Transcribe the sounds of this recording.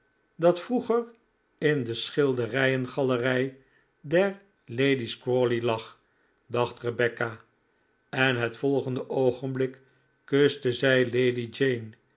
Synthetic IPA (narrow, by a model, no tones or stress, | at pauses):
dɑtfruχər | ɪndəsχɪlˠdərɛjənχɑlərɛj | dɛɹ | lejdiskɹolilɑχ | dɑχtrəbɛka | ɛnɦətfɔlˠχəndəʔowχənblɪk | køstəzɛjlejdid͡ʒejn